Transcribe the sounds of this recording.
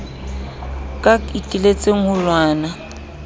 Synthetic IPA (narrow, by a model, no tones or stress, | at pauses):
kʼaitʼilet͡sʼeŋ̩hʊlwaːna